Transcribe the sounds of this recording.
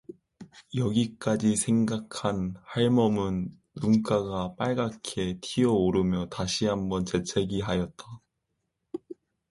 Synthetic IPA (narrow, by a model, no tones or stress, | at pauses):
jʌɡik͈ad͡ʑisʰe̞ŋɡakʰanhaɭmʌmɯnː | unk͈aɡap͈aɭɡakʰe̞tʰiʌoɾɯmjʌtaɕʰiɦambʌnt͡ɕe̞t͡ɕʰe̞ɡiɦajʌt̚t͈a